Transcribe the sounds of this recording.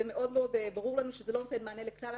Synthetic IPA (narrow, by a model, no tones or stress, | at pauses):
emeʔo̞d̪meo̞d̪baʁuʁlanuʃezelo̞not̪e̞nmeaneleklal